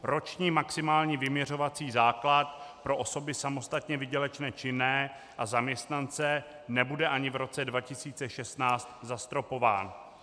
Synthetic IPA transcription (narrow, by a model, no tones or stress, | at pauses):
ɾo̞t͡ʃɲiːmaksɪmaːlɲiːvɪmɲɛr̝o̞vat͡siːzaːklat̪̚pɾo̞ʔoso̞bɪsamo̞st̪at̪ɲɛvɪɟɛlɛt͡ʃnɛːt͡ʃɪnɛː | ʔazamɲɛst̪nant͡sɛ | nɛbudɛʔaɲɪvɾo̞t͡sɛdvacɪsiːt͡sɛʃɛst̪naːt͡st̪zast̪ɾo̞po̞va̰ːn